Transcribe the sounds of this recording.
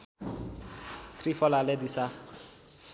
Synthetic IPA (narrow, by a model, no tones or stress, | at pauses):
t̪ʰrifɔlaled̪isa